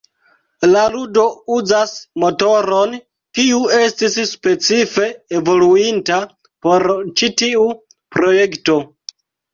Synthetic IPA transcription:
laludo̞uzasmo̞to̞ɾo̞n | kiue̞stisspe̞t͡sife̞ːvo̞luinta | po̞ɾt͡ʃitiu | pɾo̞jekto̞

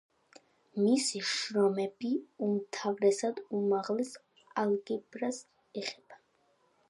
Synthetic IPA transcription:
misiʃɾɔmɛbiumt̪ʰavɾɛsad̪umaʁlɛs | alɡɛbɾas | ɛχɛb̥a

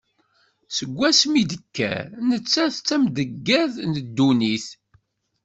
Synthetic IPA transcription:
səɡʷːæsmid̪əkːæ̰nət͡sːæθt͡sːæmd̪əɡːæðnəd̪ːuniθ

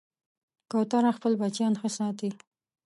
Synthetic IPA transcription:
kowt̪ɑɾaxpəlbat͡ʃjɑnxəsɑt̪i

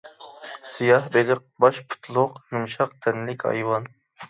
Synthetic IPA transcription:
sijɑhbelɪq̚bɑʃpʰu̥t̪ʰlˠʊqjumʃɑq̚t̪ʰɛnlɪkʲɑ̰jwɑn

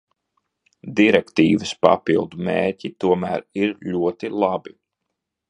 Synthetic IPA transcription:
d̪iɾɛkt̪iːvɨspa̰pilˠd̪umeːɾcit̪uɔmæːɾiɾʎʲuɔt̪ilˠabi

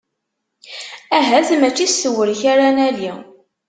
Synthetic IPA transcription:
æɦæðmæt͡ʃːisəwəɾçaɾanæli

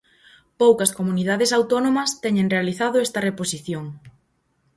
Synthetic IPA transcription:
powkɐskomuniðaðesawt̪onõmɐst̪ɛɲẽŋrealiθaðʊɛst̪ɐreposiθjoŋ

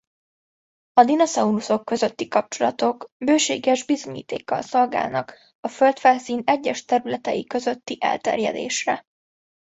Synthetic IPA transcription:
ɒd̪inosɒuluso̞kːø̞zø̞t̪ːikɒp̚t͡ʃo̞lɒt̪o̞kbøːʃeːɡɛʒbizo̞ɲḭːt̪eːkːɒ̰lso̞lɡa̰ːlnɒk | ɒfø̞lt̪faːsiːnɛɟːɛʃt̪ɛɾylɛt̪ɛjikø̞zø̞t̪ːiʔɛ̰lt̪ɛ̰rjɛ̰d̪ḛːʃrɛ

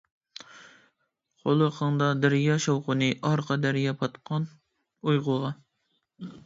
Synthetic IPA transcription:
qʰolˠɨqʰɑŋd̪ɑd̪ɪɾjɑʃɑwqʊnɨʔɑɾqʰɑd̪æɾjɑpʰɑt̪qʰɑn | ujʁʊʁɑ

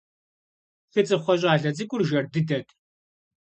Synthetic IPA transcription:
θɨt͡sʼɨχʷɔɕʼaːɮɐt͡sɨkʷʼʊrʒɐrdɨdɐtʼ

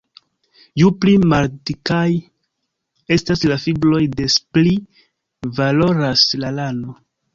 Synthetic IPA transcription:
juplimaɾtikaj | e̞staslafiblo̞jde̞spli | valo̞ɾaslalano̞

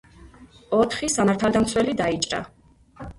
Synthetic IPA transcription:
ɔt̪ʰχisamaɾt̪ʰald̪amt̪sʰwɛlid̪ait͡ʃʼɾa̰

